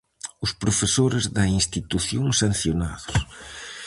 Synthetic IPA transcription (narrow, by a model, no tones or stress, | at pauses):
ʊspɾofesoɾɪzðɐinst̪it̪uθjoŋsan̟θjona̰ðʊs